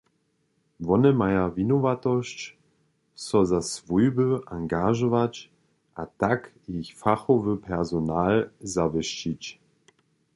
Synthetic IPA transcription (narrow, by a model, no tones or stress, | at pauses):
vɔnəmajavinɔvat̪ɔɕt͡ɕ | sɔzasvujbəʔaŋɡaʒɔvat͡ɕ | ʔatak | içfaxɔvəpʰɛʁzɔnaːlzavəʃt͡ɕit͡ɕ